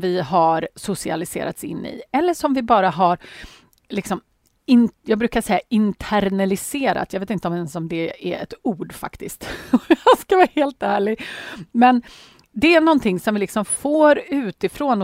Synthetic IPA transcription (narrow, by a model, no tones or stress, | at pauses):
vɪɦaɾsʊsɪa̰lɪsḛːɾa̰t̪sɪ̰nːɪ̰ɛlːəʂɔmvɪbɑːɾaɦaɾ | lɪksɔm | ɪnjɑːɡ̚bɾʉ̟ːkaʂɛjːaʔɪnt̪ʰæɾnɛlɪseːɾa̰t̪jɑːveːt̪ɪnt̪əɔmɛnsɔmd̪ɛæ̰ɛ̰t̪uːɖfa̰kt̪ɪst̪ɔjɑskavɑːaheːlt̪æːɭɪɡmɛn | d̪ɛænɔnt̪ʰɪŋːsɔmvɪlɪksɔmfoːɾʉ̟ːt̪ɪfɾoːnɔ